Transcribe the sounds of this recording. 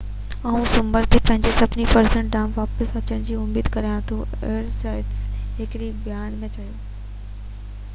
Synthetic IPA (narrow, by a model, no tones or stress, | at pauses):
aːũsʊmbəɾt̪ʰipɐ̃ɦɪ̃ɲd͡ʑesɐbnipɐɾsə̃ɳʈ̚ɖaːmʋaːpəsɐt͡ɕəɽ̃d͡ʑiːʊmiːd̪kɐɾaːjãt̪ʰoḛːɾsaːɪɦɪkɾibjaːnmẽt͡ɕɐjoː